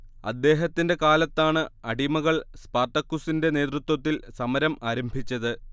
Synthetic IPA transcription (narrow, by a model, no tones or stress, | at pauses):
ɐ̰d̪ːe̞ːɦɐt̪ːinde̞kaːlɐt̪ːaːɳɨɐɽimɐɣɐɭspɐːrt̪ɐkːusinde̞ne̞ːt̪rut̪wɐt̪ːilsɐmɐɾɐmaːɾɐmbʱit͡ɕːɐðɨ